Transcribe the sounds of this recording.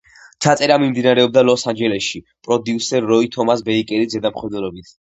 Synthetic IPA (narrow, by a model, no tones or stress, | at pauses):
t͡ʃʰat̪sʼɛɾamimd̪inaɾɛɔb̚d̪alɔsand͡ʒɛlɛsʃi | pʼɾɔd̪iusɛɾːɔit̪ʰɔmasbɛikʼɛɾizɛd̪amχwɛd̪ɛɾɔbit̪ʰ